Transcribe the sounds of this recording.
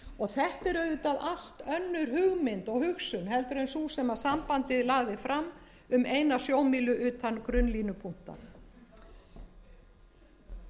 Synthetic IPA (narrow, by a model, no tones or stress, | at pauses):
ɔɣθɛht̪ɛɾœɥðʏt̪aðal̥t̪œnːʏɾɦʏɣmɪnt̪ɔɣhʏxsʏnɦɛlt̪ɾejnsusɛmaðsampant̪ɪðlaːɣðɪfɾamː | ʏmeːjnasjoːwmiːlʏʔʏːt̪ʰankɾʏnliːnʏpʰun̥t̪a̰n